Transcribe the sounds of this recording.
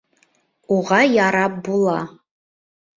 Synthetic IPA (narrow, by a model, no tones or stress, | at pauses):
uʁɑjaɾap̚bulˠa